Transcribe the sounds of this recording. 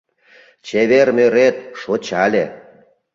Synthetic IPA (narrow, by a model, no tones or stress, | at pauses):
t͡ɕeβermøɾet̪̚ʃot͡ɕɑlʲe